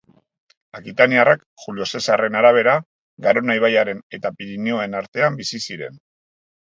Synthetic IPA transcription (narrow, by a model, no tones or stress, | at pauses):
akit̪aniarak | xulio̞se̞sare̞naɾaβ̞e̞ɾa | ɡaɾo̞najβajaɾe̞ne̞t̪apiɾinio̞enaɾt̪e̞ambisisiɾe̞̰n